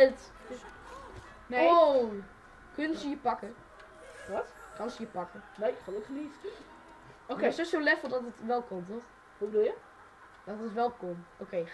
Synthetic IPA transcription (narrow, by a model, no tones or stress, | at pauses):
t | neo | kɵnəsəjəpɑkə | ʋɑtkɑnsəjəpɑkənoɪkχlokχənis | ʔokesosolɛfəlˠdɑtətʋɛlˠkɔmtɔχ | ʋobədulˠjə | d̥ɑtətʋɛlˠkomʔokej